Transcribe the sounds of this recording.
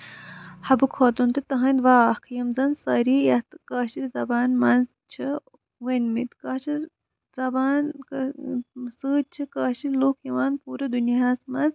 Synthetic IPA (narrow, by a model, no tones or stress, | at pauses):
hɐbɨkʰɐːt̪unt̪ɨt̪ɐɦɐ̃nd̪ʋaːhkʰjɐmzɐnsɐːɾijɐt̪kɐːʃilzɐbaːnmɐnz | t͡ʃʰi | ʋenmit̪kɐːʃʰi | zɐbaːn | sɨːd̪̚t͡ʃʰikɐːʃilloːkʰjɐʋaːnpuːɾɐd̪unjaaːsmɐnz